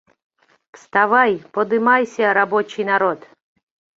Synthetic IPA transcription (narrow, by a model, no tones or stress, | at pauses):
fst̪avajpəd̪ɨmajsʲəɾabot͡ɕɪjnaɾot̪